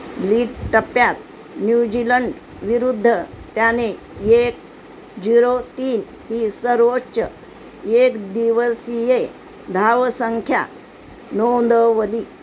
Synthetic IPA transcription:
liːʈʈəpjat̪̚ | njud͡ʑiləɳɖ | ʋiɾud̪ʱːət̪jane | ek̚ | d͡ʑiɾot̪iːn | hiːsəɾʋotːɕə̰ | ekd̪iʋəsije | d̪ʱaʋsəŋkʰja̰ | nownd̪əʋəliː

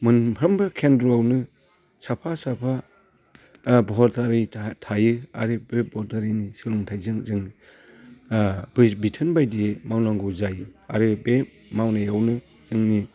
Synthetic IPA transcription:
mɯnpʰɾɐmbɯkʰendɾoawnɯ | sapʰasapʰa | bɔɦɔɾtʰaɾitʰajɯa̰ɾɯbebɔɔɾtʰaɾinisɯlɔŋtʰajzɯŋzɯŋni | bbitʰɯnbajdimawnaŋɡɔzajɯa̰ɾɯbe | mawnajawnɯ | z̥ɯŋni

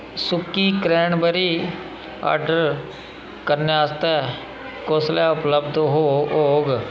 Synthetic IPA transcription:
sʊkːiːkɾɛːɳbəɾiː | a̰ːɾɖəɾ | kəɾneaːst̪ɛː | koslaːʊpləbd̪ɦooːɡ

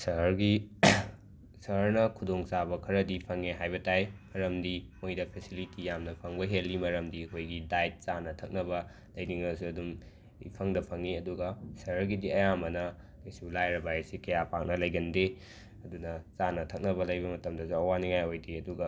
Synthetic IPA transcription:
sɐɦɾɡi | sɐɦɾnɐkʰudoŋsabɐkʰɐɾɐdipʰɐŋeɦajbɐtajmɐɾɐmdimojdɐpʰesilitijamnɐpʰɐŋbɐɦelːimɐɾɐmdiɐkʰojɡidajt̚t͡ʃanɐtʰɐk̚nɐbɐ | lɐjniŋɐsiɐdum | ḭpʰɐŋdɐpʰɐŋiɐduɡɐsɐɾɡidiɐjamɐnɐ | esulajɾɐbajsikɐjapak̚nɐlɐjɡɐnde | ɐdunɐt͡ʃanɐtʰɐk̚nɐbɐlɐjbɐmɐtɐmdɐsuɐwaniŋajojdiɐduɡɐ

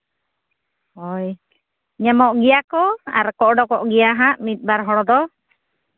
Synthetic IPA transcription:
hɔj | ɲamɔʔɡijakɔa̰ɾkɔʔɖɔkɔʔɡijaɦaʔmit̪̚ˀbaɾɦɔɽɔd̪ɔ

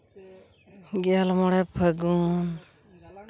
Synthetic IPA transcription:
ɡalmɔɽɛpʰəɡun

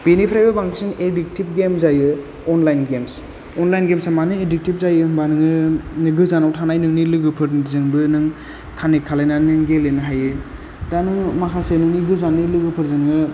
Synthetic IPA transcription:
benipʰɾajbabaŋsinedik̚tip̚ɡemzajɯ | ɔnlajnɡems | ɔnlajnɡemsamanɯedik̚tip̚zajɯŋbanɯŋɯniɡɯzanawtʰanajnɯŋnilɯɡɯpʰɯɾzɯŋbɯnɯŋ | kʰanekʰːalajnanɯŋɡelenɯɦajɯ | danɯŋmakʰasenɯŋniɡɯzanːilɯɡɯpʰɯɾzɯŋɯ

